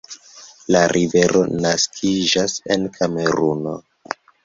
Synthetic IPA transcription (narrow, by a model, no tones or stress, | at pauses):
laɾʔive̞ɾʔo̞naskʰid͡ʒase̞nkʰame̞ɾuno̞̰